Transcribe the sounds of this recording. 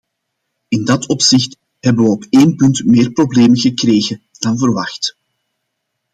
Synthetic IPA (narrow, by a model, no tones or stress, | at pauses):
ɪndɑtʰɔpsɪxt | ɦɛbəʋəɔpeːnpʏntmeːrprobleːməɣəkreːɣə | d̥ɑnvərʋɑxt